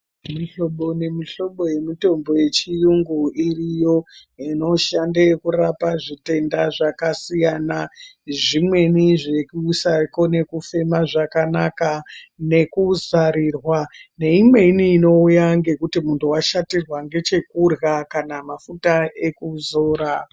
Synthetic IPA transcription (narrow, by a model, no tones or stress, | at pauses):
miɬo̞ɓone̞miɬo̞ɓo̞je̞mito̞mbo̞je̞t͡ʃijuŋɡuirijo̞ino̞ʃandekurapaʐite̞ndaʐakasijanaʐimwe̞niʐe̞kuusako̞ne̞kufe̞maʐakanakane̞kuzaɾirwane̞imwe̞iniːno̞ujaŋɡe̞kutimuntʰuwaʃatirwaŋɡe̞t͡ʃe̞kurɣakanamafutae̞kuzo̞ːɾa